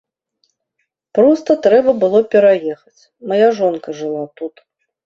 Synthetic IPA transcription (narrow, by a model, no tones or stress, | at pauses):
pɾɔst̪ɐt̪ɾɛbɐbɨlˠɔpʲɛɾajɛxɐt͡sʲ | majaʐɔnkɐʐɨlˠat̪ut̪